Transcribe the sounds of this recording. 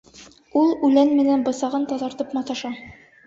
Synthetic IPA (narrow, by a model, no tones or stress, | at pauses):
ulˠʉlænmɘ̆nænbɤ̆sɑʁɤnt̪ɒðɑɾt̪ɤpmɑt̪ɑʃɑ